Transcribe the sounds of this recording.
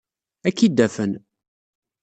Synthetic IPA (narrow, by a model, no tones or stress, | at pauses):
ækːid̪ːæfən